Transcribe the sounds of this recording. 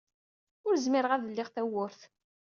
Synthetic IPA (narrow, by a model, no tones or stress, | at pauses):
ʊɾzmɪɾəʁæðəlːɪʁθæwʊɾθ